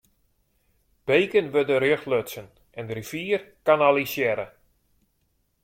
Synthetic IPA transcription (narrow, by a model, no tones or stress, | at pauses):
b̥ejkənʋødəɾjøxløtsən | ɛndəɾifiːərkanalisjɛɾə